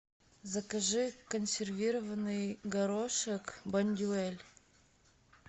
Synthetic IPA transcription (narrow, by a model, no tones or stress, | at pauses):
zəkɐʐɨkənsʲɪrvʲiɾəvənɨjɡɐɾoʂəkbɐnʲd̪ʲuelʲ